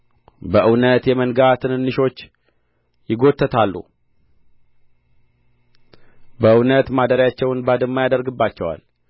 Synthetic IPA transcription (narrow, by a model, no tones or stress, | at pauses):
bəʔɨwnət̪jɛmənɡat̪ʰɨnɨnːɨʃo̞t͡ʃː | jɪɡo̞t̪ʰːət̪ʰalːṵ | bəʔɨwnət̪mad̪əɾjat͡ʃːɛwnbad̪əmːajad̪əɾɡɨbːat͡ʃːɛwa̰l